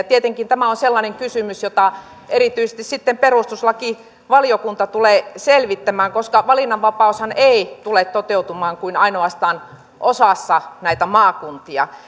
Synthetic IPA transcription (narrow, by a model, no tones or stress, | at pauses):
t̪iet̪eŋkint̪æmæonselːɑneŋkysymysjot̪ɑ | eriˑt̪yisest̪issit̪ːemperust̪uslɑki | ʋɑlijokunt̪ɑt̪uleːselʋit̪ːæmæːŋkoskɑʋɑlinːɑʋʋɑpɑushɑneit̪ulet̪t̪ot̪eut̪umɑːŋkuinɑinoɑst̪ɑːn | ʔosɑsːɑnæit̪æmɑːkunt̪iɑ̰